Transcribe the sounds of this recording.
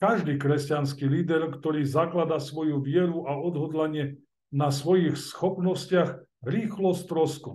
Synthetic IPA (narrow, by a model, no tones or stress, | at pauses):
kaʒd̪iːkɾɛscanskiliːd̪ɛɾkt̪ɔɾiːzaklad̪asʋɔjuʋɪɛɾuʔaɔd̪ɦɔd̪laɲɪɛ | nasʋɔjixsxɔpnɔscɪaɣɾiːxlɔst̪ɾɔskun